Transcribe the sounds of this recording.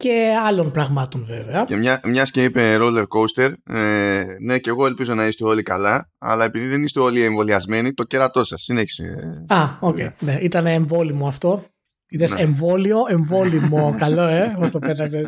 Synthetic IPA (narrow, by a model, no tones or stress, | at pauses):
ce̞ɐlo̞npɾɐɣmɐt̪o̞nve̞veɐemɲɐmɲɐsce̞ipe̞ɾole̞ɾko̞wst̪e̞ɾene̞ce̞ɣo̞e̞lpizo̞nɐist̪eo̞likɐlɐɐ̰lɐe̞piðiðenist̪eo̞lieɱvo̞liɐzme̞nit̪o̞ceɾɐt̪o̞sɐsːineçi̥sḛɐocḛjineʔit̪ɐneːɱvo̞limo̞ɐft̪o̞ | it̪eseɱvo̞lio̞ʔe̞ɱvo̞limo̞kɐlo̞e̞ost̪ope̞t̪ɐkses